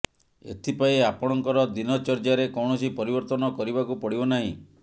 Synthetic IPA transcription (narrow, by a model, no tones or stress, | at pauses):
ḛt̪ʰipaiapɔɽ̃ɔŋkɔɾɔd̪inɔt͡ʃɔɾd͡ʒaɾekɔwɳ̃ɔsipɔɾibɔɾt̪ɔnɔkɔɾibakupɔɽibɔnaɦḭ̃